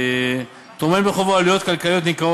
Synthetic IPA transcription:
t̪omembeχovoalijo̞t̪kalkalijot̪̬nikao

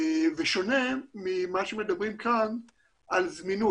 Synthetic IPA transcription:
veʃo̞ne̞mimaʃemed̪abʁimkan | ʔalzminu

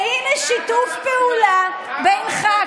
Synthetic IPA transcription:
ineʃitufpeula | bejnχa

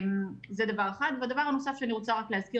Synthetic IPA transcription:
mzed̪avaʁeχad̪vead̪avaʁano̞safʃeaniʁot͡saʁakleɦazki

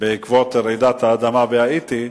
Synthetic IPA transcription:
beikvot̪eɾejd̪at̪haːd̪amaveait̪i

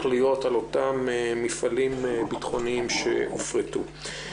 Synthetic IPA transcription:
lijo̞talotameːifalimbitχo̞niimʃḛʔofʁetṵ

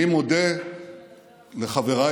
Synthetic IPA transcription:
imod̪e | leχaveʁa

